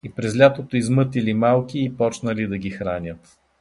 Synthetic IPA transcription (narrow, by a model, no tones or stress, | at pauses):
ipɾɛzlʲat̪ot̪oizmɤt̪ilimalˠkiːpɔt͡ʃnəlid̪ɐɡʲixɾanʲət̪